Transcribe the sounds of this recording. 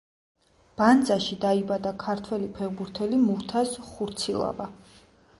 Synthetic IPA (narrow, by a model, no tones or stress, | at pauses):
b̥and̪zaʃid̪aibad̪akʰaɾt̪ʰwɛlipʰɛʁbuɾt̪ʰɛlimuɾt̪ʰasχuɾt̪sʰilˠa̰va